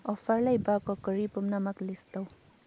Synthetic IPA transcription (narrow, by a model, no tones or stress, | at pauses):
ɔpʰaɾlajbakɔkəɾipumnamaklistaw